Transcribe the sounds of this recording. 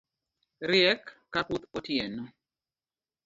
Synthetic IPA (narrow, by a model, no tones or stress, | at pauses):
ɾjɛkː | akut̪otjɛnɔ